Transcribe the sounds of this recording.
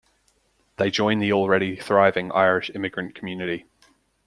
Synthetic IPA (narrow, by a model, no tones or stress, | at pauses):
ðeɪd͡ʒɔ̃ɪ̃nðiɔlˠɹɛɾiθɹaɪvɪ̃ŋʔa̰ɪɹɪʃɪ̃mɪɡɹə̃nkʰəmjʉnɪʔi